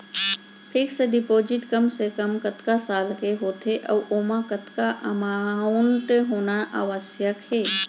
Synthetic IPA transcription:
pʰɪksəɖɪpoːd͡ʒɪʈkɐmsekɐmkɐt̪kasaːlkeɦoːt̪ʰeʔɐʋʔoːmãkət̪kaʔɐmaːʊɳʈɦoːnaʔa̰ːʋəsjəkheː

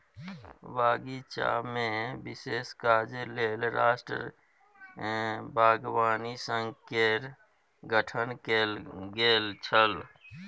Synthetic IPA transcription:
baːɡit͡ʃa̰ːmẽbɪseːskaːd͡ʒeleːlɾa̰ːsʈɾə̰ | bʱaːɡwaːnisə̃ŋɡkeɾ | ɡəʈʰənkelɡeːlt͡ʃʰəl

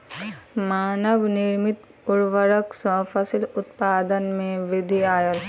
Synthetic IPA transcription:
maːnəʋnɪɾmɪt̪ | ʊɾʋəɾəksɐ̃fʰəsɪlʊt̪paːd̪ənmẽʋɪd̪ʱiaːjəl

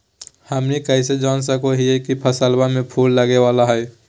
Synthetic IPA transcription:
həmnikəɪs̬ed͡ʒaːns̬əkoɦiɛkipʰəsəlbamẽpʰuːlːəɡewaːlaɦɛː

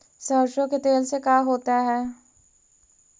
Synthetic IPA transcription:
səːʃɾõket̪eːlsekaːɦoːt̪aɦɛː

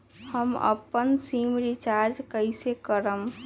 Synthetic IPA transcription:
həmə̰pːənsimɾit͡ʃaɾd͡ʒkəɪsekəɾəm

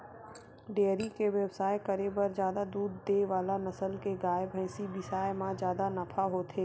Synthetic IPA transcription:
ɖeːɾikeʋjəbsaːjkɐɾebɐɾzjaːd̪ad̪uːd̪ːeʋaːlanɐsəlkeɡaːebʱɛ̃ːsibɪsaːjmãd͡ʒjaːd̪anɐfʰaɦoːt̪ʰeː

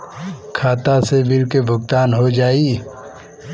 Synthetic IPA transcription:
kʰaːt̪asebɪlkebʱʊɡt̪aːnɦod͡ʒaːiː

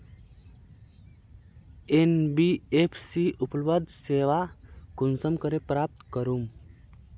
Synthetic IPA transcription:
enbiepʰsiuplbəd̪seːʋakunsəmkəɾepɾaːp̚t̪kəɾum

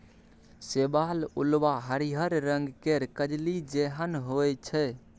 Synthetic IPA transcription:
sebalṵlbaɦəɾiɦəɾɾəŋɡkeɾkəd͡ʒlid͡ʒeɦənɦojt͡ʃʰɛ

